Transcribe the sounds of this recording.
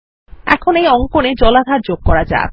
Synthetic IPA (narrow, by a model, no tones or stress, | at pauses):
ɛ̰kʰonejɔŋkoned͡ʑɔlad̪ʱaɾd͡ʑoɡ̚kɔɾad͡ʑa̰